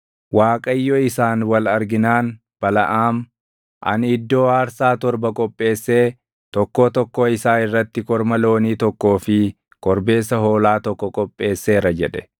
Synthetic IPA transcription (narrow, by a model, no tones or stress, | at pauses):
waːkʼɐjːɔːɪsaːnwɐlɐɾɡɪnaːn | b̥ɐlɐʔaːm | ʔɐ̰nɪd̪ːo̞ːaːɾsaːt̪ɔɾbɐkʼɔpʼːe̞ːsːe̞ː | t̪ɔkːoːt̪ɔkːoːɪsaːɪrːɐt̪ːɪkɔɾmɐlo̞ːniːt̪ɔkːo̞ːfɪ | kʼɔɾbe̞ːsɐɦo̞ːlaːt̪ɔkːɔkʼɔpʼːe̞ːsːe̞ːɾɐd͡ʒɛᶑɛ̥